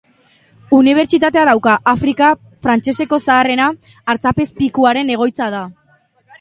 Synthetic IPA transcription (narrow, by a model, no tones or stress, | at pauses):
uniβ̞e̞ɾt͡ʃit̪at̪e̞aðawkaʔafɾika | fɾant͡ʃe̞se̞ko̞saːre̞naː | ɾt͡sape̞spikuaɾe̞ne̞ɣ̞o̞jt͡sað̞a